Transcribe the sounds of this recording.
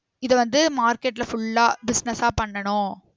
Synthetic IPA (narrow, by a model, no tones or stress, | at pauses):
ɪðɐʋɐnd̪ɯmaːɾkeːʈːɪlɐfʊɭːaːbɪsnɐsaːpɐɳːɐɳʊ̃